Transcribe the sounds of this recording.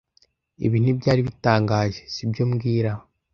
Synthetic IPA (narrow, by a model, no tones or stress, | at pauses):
ḛβiːn̥ibɟaːɾiβitaːŋɡaːʒesibjoːmɡiːɾa